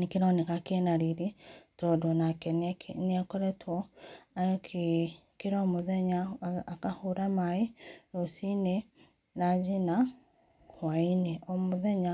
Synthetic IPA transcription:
nekiɾɔnekakenaɾiɾitɔdɔnakɛnneakoɾɛtʰwɔ | kʰ | keɾɔmoðɛɲaakahuɾamaeɾosine | ɾad͡ʒina | wainɛʔomoðɛɲa

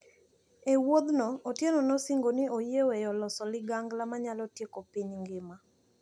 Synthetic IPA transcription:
ewod̪nɔːtjenɔnɔsiŋɡonɪojewejɔlɔsɔlɪɡaŋɡlamaɲalɔtjekopiɲŋɡɪma

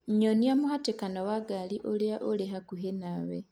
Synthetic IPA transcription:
ɲoniamuhatekanowaɡaliʔuliaʔolehakuɦenawḛ

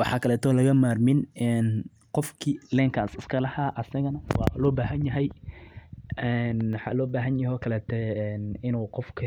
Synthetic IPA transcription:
wɑħɑːkʰɐlɛːt̪ʰɔːlɐɣɐmaːrmɪnɛn | qɔfkʰilɛːŋkʰaːsɪskʰɐlɐhaʔɐsɐɣɐnɐwɑ̰ːlɔːbaːɦɐnjɐɦɛj | ɛnwɑħɑ̰ːlɔːbaːɦɐnjɐɔːkʰɐlɛːt̪ʰɛɛːnɪnuːqɔfkʰɐ

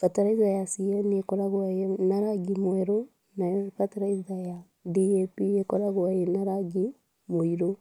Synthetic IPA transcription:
fatoɾaiðajasiɛnekoɾaɣwaenaɾaɡimwɛɾo | nafatoɾaiðaja | diepijekoɾaɣwajenaɾaɡi | moiɾo

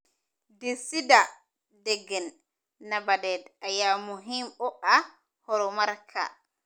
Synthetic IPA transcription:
desida | dɛɡɛnː | abadɛdajamuɦimɔʔa | hɔɾɔmaɾkʰa̰

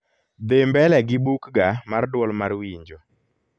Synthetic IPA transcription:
d̪embɛlɛɡɪbukɡamardwɔlmarwiɲd͡ʒo

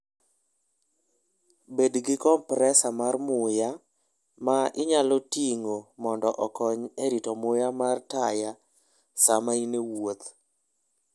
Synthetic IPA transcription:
bedɡɪkɔmpɾɛsamarmʊja | maʔɪɲalɔtiŋomɔndɔʔɔkɔɲeɾitɔmʊjamartaja | samainewot̪

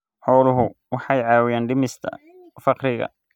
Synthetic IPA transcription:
ħɔːlʊɦʊwɑħɑjʕɑːwɪjaːnɖɪmɪst̪ʰɐ̰ | fɑqɾɪɣɐ̰

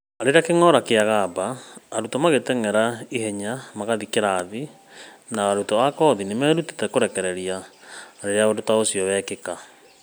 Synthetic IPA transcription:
aɾeɾakeŋɔɾakeaɣabaːɾutɔmaɣetɛŋɛɾaiɦɛɲamaɣaðikeɾaːði | naːɾutɔakɔðinemɛːɾute̥tɛkoɾɛkɛɾɛɾiaːɾeɾeaodotaosjɔβɛkeka

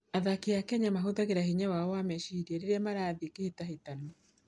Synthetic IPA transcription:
aðakeakɛɲamaɦoðaɣeɾaɦiɲawaɔwamɛʃiɾiɛɾeɾeamaɾaːðekehetaɦetano

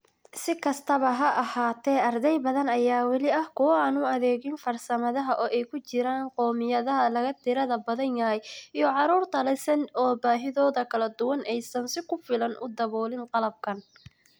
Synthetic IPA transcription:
sɪkʰɐst̪ʰɐβɐɦɐʔɐhaːt̪ʰɛːɐrd̪ɛjbɐðɐnɐjaːwɑlɪɐhkʰʊwaːnʊɐðɛːɣɪnfɐrsɐmɐðɐɦɐʔɔːʔɛjkʰʊt͡ʃɪɾaːnqɔːmɪjɐðɐɦɐlɐɣɐt̪ʰɪɾɐðɐbɐðɐnjɐjijɔʕɑɾuːrt̪ʰɐlɐsɐnɔːbaːɦɪðɔːðɐkʰɐlɐd̪ʊwɐnʔɛjsɐnsɪkʰʊfɪlɐnʔʊ̰d̪ɐβɔːlɪnqɑlɐb̚kʰɐn

